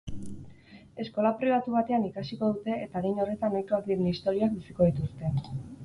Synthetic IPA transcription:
e̞sko̞lapɾiβ̞at̪uβ̞at̪e̞anikasiko̞ðut̪e̞ːt̪aɣejno̞re̞t̪anojkoakd̪iɾnist̪o̞ɾioak̚bisiko̞ð̞it̪ust̪e̞

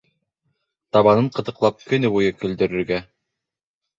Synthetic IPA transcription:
t̪ɑβɑnɤɴqɤ̆t̪ɤ̆qlˠɑp̚kɵ̆nɘbujɤkɵ̆ld̪ɵ̆ɾɵ̆ɾɡæ

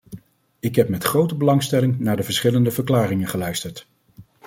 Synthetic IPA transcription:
ɪkɦɛpmɛtχrowtəbəlɑŋstɛlɪŋnaːɹdəvəɹsχɪləndəvəɹklaːrɪŋənχəlœɥstəɹt

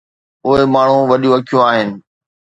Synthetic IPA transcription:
ʊɦemaːɳ̤ũʋɐɗjũɐkʰijõaːɦɪnɪ̆

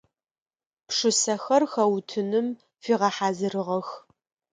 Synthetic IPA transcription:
pʂɨsɐxɐrxɐwtʰɨnɨm | fiːʁɐħaːzɨrɨʁɐx

